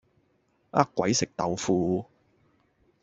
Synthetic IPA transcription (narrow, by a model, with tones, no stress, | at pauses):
ʔa̰˦˥kʷːwɐ˨˥jsɪ˨k̚t̪ɐ˨wfuː˧